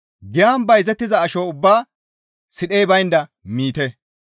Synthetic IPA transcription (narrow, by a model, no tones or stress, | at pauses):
ɡɪjaːnbɐjzɛt̪ːɪzɐːʃoːʊbːaː | sɪɗejbɐjɪnd̪ɐmiːt̪ɛ